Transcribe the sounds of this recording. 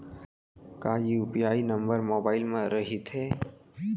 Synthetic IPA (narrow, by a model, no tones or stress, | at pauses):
kaːjiupijaːinəmbəɾmoːbaːɪlmẽɾəɦit̪ʰɦe